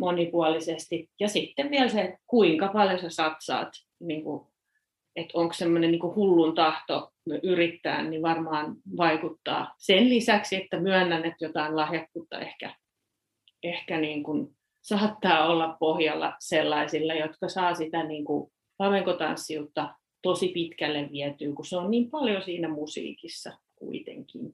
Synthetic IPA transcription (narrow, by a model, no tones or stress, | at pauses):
monipuɑlisest̪ijɑsit̪ːeʋʋiælsekuiŋkɑpɑljosesɑt̪sɑ̰ːt̪ | niːŋku | et̪oŋkssemːonenniːŋkuhulːunt̪ɑht̪o | mʔyrit̪ːæ̰ːnniʋɑrmɑːnʋɑikut̪ːɑ̰ːsenlisæksiet̪ːæmyænːænet̪jot̪ɑinlɑhjɑk̪ːut̪ːɑ̰ḛhkæ | ehkæniːŋkun | sɑːt̪ːɑːolːɑppohjɑlːɑ̰selːɑisilːɑjot̪kɑsɑːsit̪æniːŋku | lɑmeŋkot̪ɑ̰nsːiut̪ːɑ | t̪osipit̪kælːeʋʋiɛt̪yːkuseonniːmpɑljosiːnæmusḭːkisːɑ | kṵit̪ḛŋkḭn